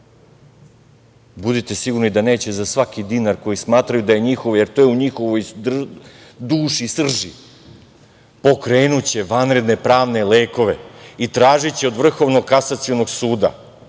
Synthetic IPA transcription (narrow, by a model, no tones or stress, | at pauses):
bud̪it̪esiɡuɾnid̪ane̞ːt͡ɕezasʋakid̪iːnaɾko̞jismaːt̪ɾajud̪aje̞ɲixo̞ʋje̞ɾt̪oːjeuɲixo̞ʋoj̪rd̪uːʃisr̩ʒi | po̞kɾe̞ːnut͡ɕe̞ʋanɾe̞d̪ne̞pɾaːʋne̞leːko̞ʋe̞it̪ɾaːʒit͡ɕeo̞d̪vr̩xo̞ʋno̞ɡkasat̪siono̞ɡsuːd̪a̰